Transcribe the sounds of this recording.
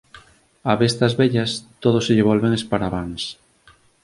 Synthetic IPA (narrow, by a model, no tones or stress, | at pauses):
aβest̪ɐzβɛʎɐst̪oð̞ʊsɪʎɪβolβeŋespaɾaβaŋs